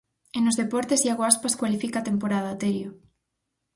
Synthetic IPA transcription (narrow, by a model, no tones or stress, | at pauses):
enʊzðepɔɾt̪esiaɣoaspaskwalifikaːt̪empoɾaðat̪eɾjo